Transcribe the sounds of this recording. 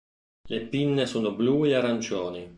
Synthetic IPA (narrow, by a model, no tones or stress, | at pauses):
lepinːesoːnobluːeaɾant͡ʃoːni